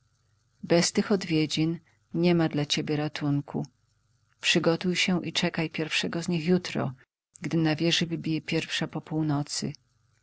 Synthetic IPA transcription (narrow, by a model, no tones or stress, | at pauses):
bɛst̪ɘxɔd̪vʲjed͡ʑin | ɲɛmad̪lat͡ɕebʲjɛɾat̪uŋkʰu | pʂɘɡɔt̪ujɕɛʔit͡ʂɛkajpʲjɛɾfʂɛɡɔzɲixjut̪ɾɔ̰ | ɡd̪ɘnavʲjɛʐɘvɘbʲijɛpʲjɛɾfʂapɔpuwnɔt̪sɘ̰